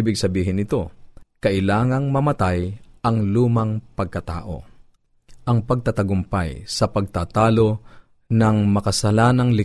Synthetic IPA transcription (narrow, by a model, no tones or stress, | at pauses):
ibɪɡ̚sɐbiːɦɪnɪt̪o̞kɐʔɪlaːŋɐŋmɐmɐt̪ajʔɐŋluːmɐŋpɐɡ̚kɐt̪a̰ːʔo̞̰ | ʔɐŋpɐɡ̚t̪ɐt̪ɐɡʊmpajsɐpɐɡ̚t̪aːt̪aːlo̞ | nɐŋmɐkɐsɐlaːnɐŋlɪ